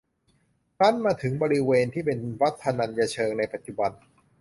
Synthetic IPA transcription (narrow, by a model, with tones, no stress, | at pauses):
kʰa˦˥˩nmaː˧t̪ʰɯ˩˦ŋbɔː˧ɾi˦˥weː˧nt̪ʰiː˥˩pe˧nwa˦˥t̪ʰːa˧na˧nja˧t͡ɕʰɤː˧ŋna˧jpa˨˩t̪̚t͡ɕu˨˩ba˧n